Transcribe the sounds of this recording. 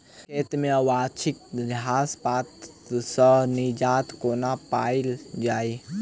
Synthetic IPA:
kʰeːt̪meəwat͡ʃʰɪk̚ɾɪɦaspat̪sənid͡ʒaːt̪konapaild͡ʒaːi

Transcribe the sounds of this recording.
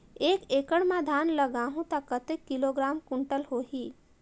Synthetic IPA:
ekekəɽmãd̪ʱanləɡaɦũt̪akət̪ekːiloɡɾamkuɳʈəlɦoɦi

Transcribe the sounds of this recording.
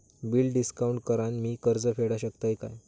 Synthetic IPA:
biːlɖɖiskauɳʈkəɾanmiːkəɾd͡zəfeɽaɕəkt̪ajka̰j

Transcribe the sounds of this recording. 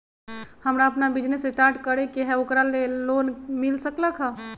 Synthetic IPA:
həmɾaəpnabid͡ʒnesːesʈaɾʈkəɾɛkeɦɛokɾalelonmilsəkləkʰɦə

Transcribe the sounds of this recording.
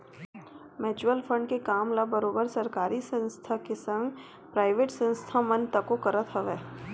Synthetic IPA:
meːt͡ʃuəlfʰə̃ɳɖ̚kekaːmlabəɾoːbəɾsɐɾkaːɾisə̃nst̪ʰakesə̃ŋɡ | pɾaːɪʋeːʈsə̃nst̪ʰamɐ̃nt̪əkokɐɾət̪ɦɐʋeː

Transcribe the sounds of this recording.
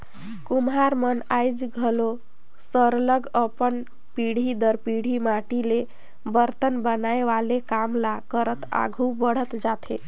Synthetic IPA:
kumɦaɾmənajd͡ʒɡʱəlo | səɾləɡəpən | piɽ̤id̪əɾpiɽ̤imaʈile | bəɾt̪ənbənaeʋalekamlakəɾət̪a̰ɡʱubəɽ̤ət̪d͡ʒat̪ʰe

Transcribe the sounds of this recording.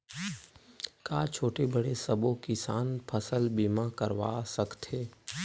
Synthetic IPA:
kaːt͡ʃʰoːʈebəɽesɐbõkɪsaːnpʰəsəlbiːmakəɾʋa̰ːsəkt̪ɦeː

